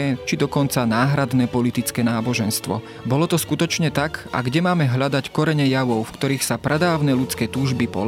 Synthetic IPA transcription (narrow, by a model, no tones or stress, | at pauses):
ɛt͡ʃid̪ɔkɔnt͡sanaːɦɾad̪nɛːpɔlit̪it͡skɛːnaːbɔʒɛnst̪ʋɔ̰ | bɔlɔt̪ɔskut̪ɔt͡ʃɲɛt̪aka̰ɡɟɛmaːmɛɦʎad̪ackɔɾɛɲɛjaʋɔʊfkt̪ɔɾiːxsapɾɛd̪aːʊnɛːlut͡skɛːt̪uːʒbipɔ̰l